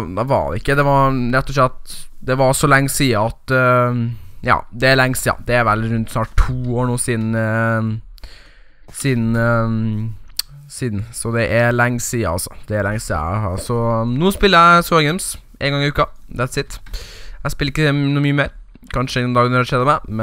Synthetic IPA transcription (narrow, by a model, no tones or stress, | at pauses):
d̪ɛʋɑ̰ɖɛ̰ɪkːəd̪ɛʋɑɾɾɛt̪ːɔʂɭɛt̪d̪ɛʋɑʂɔlɛŋːsiːəɑt̪ | jɑ̰ːd̪ɛæɾlɛŋːsiːɑ̰d̪ɛæɾʋɛlɾʉnt̪snɑːʈ̚t̪ʰːuːoːɳuːsiːd̪n̩ | siːd̪n̩ | siːd̪n̩sɔd̪ɛʔælɛŋːsiːə̰ɑ̰lsɔ̥d̪̥ɛːɾlɛŋsiːɑ̰sɔnuːspɪlːəɾæɪsɔɛŋɡɛmsʔeːnŋɡɑŋɪʉːkɑd̪ɛæt̪sɪt̪ːæɪspɪlːɾɪkːənuːmyːəmeːɾ | kʰɑnʂəɪd̪ɛnd̪ɑːɡənɔɖɛʂɛd̪əmɛmɛ